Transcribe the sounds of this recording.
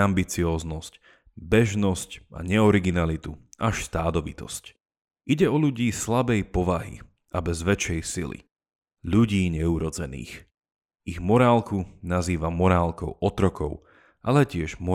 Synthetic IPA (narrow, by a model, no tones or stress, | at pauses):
ambit͡siɔːznɔsc | bɛʒnɔscʔa̰ɲɛɔɾiɡinalit̪uʔaʃst̪aːd̪ɔʋḭt̪ɔ̰sc | ʔiɟɛɔʎuɟiːslabɛjpɔʋaɦḭ | ʔabɛzʋɛt͡ʃɛjsilḭ | ʎuɟiːɲɛuɾɔd͡zɛnḭːx | iɣmɔɾaːlkunaziːʋamɔɾaːlkɔʊʔɔt̪ɾɔkɔʊ | ʔalɛcɪɛʒmɔ